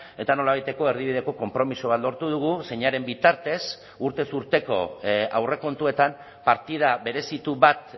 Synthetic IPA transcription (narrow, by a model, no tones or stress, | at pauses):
e̞t̪ano̞laβajt̪e̞ko̞e̞ɾðiβið̞e̞ko̞ko̞mpɾo̞miso̞β̞at̪lo̞ɾt̪uð̞uɣ̞use̞ɲaɾe̞mbit̪aɾt̪e̞s | uɾt̪e̞suɾt̪e̞ko̞̰awre̞ko̞nt̪ue̞t̪am | paɾt̪ið̞aβe̞ɾe̞sit̪uβat̪